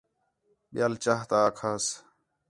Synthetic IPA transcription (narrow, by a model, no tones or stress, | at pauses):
ɓɪjaːlt͡ʃaːɦt̪aːkʰaːs